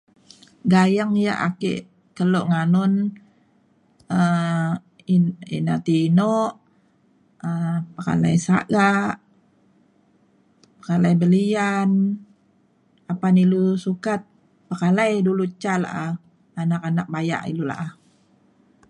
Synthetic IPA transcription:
ɡajaŋja̰ʔakḛʔ | kəloʔŋanʊn | ə | ḭnat̪iːnɔʔ | əpəka̰la̰jsa̰ɡaʔ | pə̥kalajbəlian | apanilusukat̪̚ | pəkalajdulut͡ʃːala̰ʔa | anakanak̚baja̰ʔḭlula̰ʔah

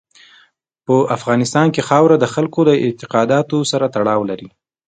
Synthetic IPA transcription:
pəʔafɣɑnɪst̪ɑnkexɑwɾad̪əxalkod̪əɪnt̪ɪqɑd̪ɑt̪osaɾat̪aɽɑwlaɾi

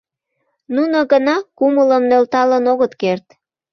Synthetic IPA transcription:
nunoɣənɑkumələmnølt̪ɑlənoɣət̪kert̪

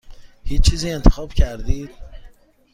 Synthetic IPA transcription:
hiːt͡ʃːt͡ʃʰːiːziːe̞nt̪ʰexɒːb̥cʰæɾd̪iːd̪̥̚

